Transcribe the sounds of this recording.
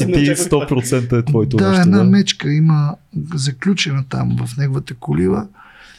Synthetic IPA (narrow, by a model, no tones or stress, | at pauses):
it̪ist̪ɔpɾot̪sɛnt̪əɛt̪vɔjt̪od̪aɛnamɛt͡ʃkəiməzɐklʲut͡ʃɛnət̪a̰mvɐfnɛɡovət̪əkʊlivˠə